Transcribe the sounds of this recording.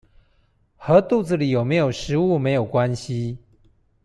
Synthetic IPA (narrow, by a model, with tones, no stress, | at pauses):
xɤ˧˦t̪u˥˨d͡zɹ̩˨li˨˩˦jo˨˩ʊme˧˥ɪjo˨˩ʊʂɻ̩˧˦u˥˨me˨˥ɪjo˨˩ʊkwa˦nɕi˦